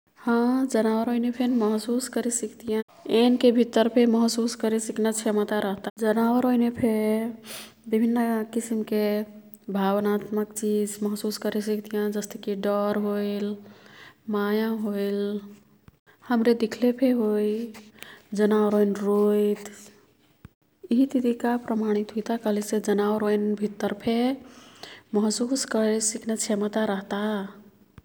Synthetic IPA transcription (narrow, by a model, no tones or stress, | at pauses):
hãd͡ʒənawəɾɦojnepʰenməɦsuskəɾesikt̪ijã | enkebʱit̪əɾpʰeməɦsuskəɾesiknət͡ʃʰemət̪aɾəɦt̪ad͡ʒənawəɾojnepʰe | bibʱinːəkisimke | bʱabnat̪məkt͡ʃid͡ʒməɦsuskəɾes̬ikt̪ijãd͡ʒəst̪ekiɖɔɾɦojl | majãɦojl | həmɾed̪ikʰlepʰeɦoj | d͡ʒənawɾojnɾojt̪ | iɦit̪it̪ikapɾəmaɽ̃it̪ɦojt̪akəɦlised͡ʒənawɾojnbʱit̪ːəɾpʰe | məɦsuskəɾesiknet͡ʃʰemət̪aɾəɦt̪a